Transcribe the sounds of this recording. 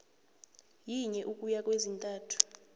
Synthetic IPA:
jiɲɛʔukʼujak̬ʼwezintʼaːtʰu̥

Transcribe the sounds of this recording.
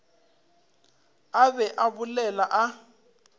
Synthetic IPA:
aβɛʔaβʊlɛlaʔa

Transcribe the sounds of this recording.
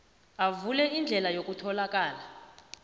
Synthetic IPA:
avulɛind͡ɮʱɛlajok̬ʼutʰɔlak̬ʼaːla

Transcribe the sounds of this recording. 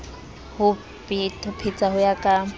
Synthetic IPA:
hʊ | pʼɪtʰʼʊpʰit͡sʼaɦʊjakʼa

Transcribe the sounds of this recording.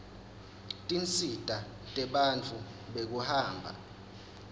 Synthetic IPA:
tʼint͡sʼid̥ʼʱa | tʼɛɓant͡fʰu | ɓek̬uhaːmbʱa̰

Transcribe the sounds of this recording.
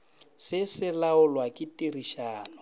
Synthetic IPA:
sɪsɪlaʊlwakʼɪtiriʃaːnʊ

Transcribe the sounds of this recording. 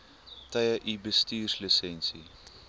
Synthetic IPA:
tɐjəʔibəstiːrslisɛnsḭ

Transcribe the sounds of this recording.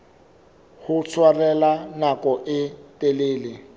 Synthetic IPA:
hʊt͡sʰwarɛlanakʼɔʔɪtʼeleːlɪ

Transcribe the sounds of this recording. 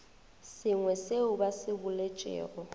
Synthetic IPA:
sɪŋwɛseʊbasɪbʊlet͡ʃʼɛ̰ːrɔ

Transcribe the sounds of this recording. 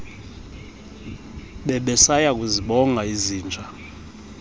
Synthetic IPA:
ɓɛɓɛsajak̬ʼuziɓɔŋʱaiziːnd͡ʒʱʼa

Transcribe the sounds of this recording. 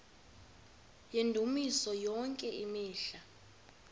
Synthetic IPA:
jendʱumisɔjɔŋkʼɛʔimiːɬa

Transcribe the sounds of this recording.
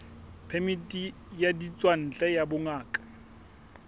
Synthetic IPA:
pʰɛmitʼi | jadit͡sʼwan̩t͡ɬʼɛjabʊŋaːkʼḁ

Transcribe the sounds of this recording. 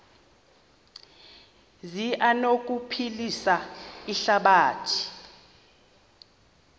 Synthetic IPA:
ziʔanok̬ʼupʰilisaiɬaɓaːtʰi̥

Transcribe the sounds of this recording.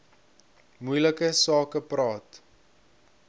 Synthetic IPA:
mujləkəsɑːkəprɑːt

